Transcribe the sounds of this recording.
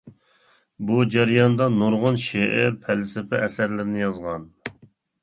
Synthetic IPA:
bud͡ʒæɾijɑnd̪ɑnoɾʁʊnʃeʔɪpʰælsɪpʰɛʔɛsæɾlɪɾɪnɪjɑzʁɑn

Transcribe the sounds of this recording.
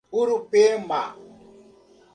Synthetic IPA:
uɾupema

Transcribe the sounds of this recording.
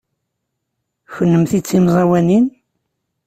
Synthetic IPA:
çənːəmθit͡sːimzˤɑwænin

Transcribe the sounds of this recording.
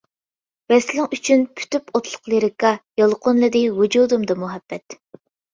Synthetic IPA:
vɛslɪŋyt͡ʃʰynpʰy̥t̪ypot̪lˠʊ̥qlˠiɾɪkɑjɑlˠqʰʊnlˠɨd̪ɨwud͡ʒud̪umd̪ɑmuɦɛbːɛt̪

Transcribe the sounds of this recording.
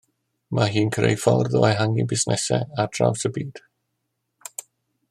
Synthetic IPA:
maɦiːnkʰrḛjfalrðɔaɦaŋibɪsnɛsɛ̰ad̥ra̰wsəbiːd̥

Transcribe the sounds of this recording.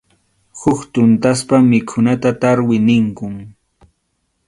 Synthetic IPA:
hʊkt̪ʊnt̪aspamɪkʰʊnat̪at̪aɾwɪnɪŋkʊŋ

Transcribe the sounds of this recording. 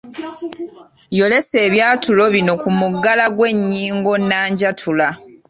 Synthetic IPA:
jo̞le̞se̞ːβjaːtʰulo̞βino̞kumuɡːalaɡwe̞ɲːiːŋɡo̞nːaːɲɟatʰula

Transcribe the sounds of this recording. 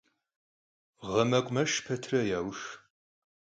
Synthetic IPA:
ʁɐmɐkʷʼmɐʃpʰetʰrɐjaːwʃ

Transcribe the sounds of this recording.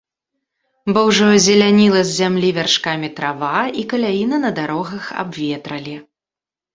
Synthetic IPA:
bɔwʐɔzʲɛlʲanʲilˠɐzʲzʲamlʲivʲarʂkamʲit̪ɾavaikɐlʲajinɐnɐd̪aɾɔɣɐxa̰bvʲɛt̪ɾɐlʲi

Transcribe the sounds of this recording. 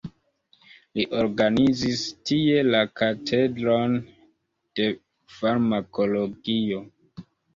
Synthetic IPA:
liʔoɾɡanizistie̞lakatʰedɾon | d̥e̞ | faɾmakʰo̞loɡio

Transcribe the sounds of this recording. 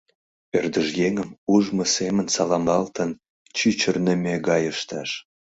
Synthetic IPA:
ørd̪əʒjeŋəmuʒməsemənsɑlɑmbɑlt̪ən | t͡ɕyt͡ɕərnəmʲeɡɑjəʃt̪ɑʃ

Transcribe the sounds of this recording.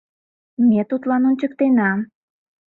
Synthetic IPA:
mʲet̪ut̪lɑnonʲt͡ɕəkt̪enɑm

